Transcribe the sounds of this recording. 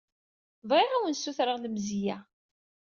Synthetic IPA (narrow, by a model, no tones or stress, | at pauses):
vʁiʁæwənsːuθɾəʁləmzijæ